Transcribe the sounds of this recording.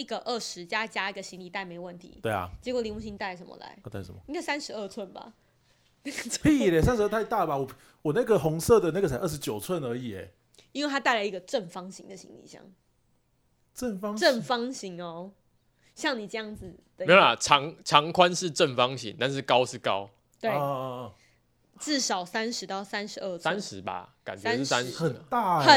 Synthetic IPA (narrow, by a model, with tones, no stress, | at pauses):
i˥˩ɡə˨ʔə˥˩ʂɻ̩˧˦t͡ɕja˦t͡ɕja˥i˥˩ɡə˨˩ɕi˧˥ŋli˨˩t̪a˥˩ɪme˧˥ɪwə˥˩nt̪ʰḭ˧˦we˥˩ɪɐ̰˨˩t͡ɕjɛ˧˥kwɔ˨˩li˧˥ŋu˥˩ɕi˧˥nt̪a˥˩ɪʂə˧˦mə̰˧la̰˧˦ɪ˥˦t̪a˥˩ɪ˩ʂə˦m˨i˥ŋksa˦˥nʂɻ̩˧˦ə˥˧t͡sʰwə˥˩nba̰˨˩ | n˥˩ɡə˩˥pʰi˥˩˨le˨˩sa˦nʂ̩˧ə˥˩t̪ʰa˥˧ɪt̪a˥˩ba˨wɔ˨˩ | wɔ˨˩na˥˩ɡə˨xɔ˧˥ŋsɤ˥˨d̪ə˨na˥˩ɡə˩a˨˦ə˥˩ʂ̬ɻ̩˧˦t͡ɕjo˨˩ʊt͡sʰwə˥˨nə˧˥i˨˩ɛ̰˨˩ | i˥nwe˥˧ɪt̪ʰa˥t̪a˥˩ɪla˨˧ɪi˧ɡə˨ʈ͡ʂə˥˩nfɑ˥ŋɕi˧˦ŋd̪ə˨ɕḭ˧˦ŋlḭ˨˩˦ɕjɑ̰˥˩ŋ | ʈ͡ʂə˥˩nfɑ˥ŋʈ͡ʂə˥˩nfɑ˥ŋɕi˧˥ŋɔ˧ | ɕjɑ˥˩ŋni˨˩ʈ͡ʂɤ˥˧jɑ˥˩ŋd͡zɨ˨˩d̪ə˨e˧˥˦ja˨˩ʈ͡ʂʰɑ˨˧˦ŋʈ͡ʂʰɑ˨˧˥ŋkʰwa˦nʂɻ̩˥˧˨ʈ͡ʂə˥˨˩nfɑ˦ŋɕḭ˧˦ŋt̪a˥˧nʂ̬ɻ̩˥˩kɑ˦˥ʊʂɻ̩˥˩kɑ˦ʊ | t̪we˥˩ɪ | t͡sɹ̩˥˩ʂɑ˨˩ʊsa˦nʂɻ̩˨˧˦t̪ɑ˥˩ʊsa˦nʂɻ̩˧˦ə˥˩sʰsa˦˥nʂɻ̩˨˧˦ba̰˧ka˨˩nt͡ɕɥɛ˦˥ʂ̩˥˨˩sa˦nxə˨˩nt̪a˥˩ə˨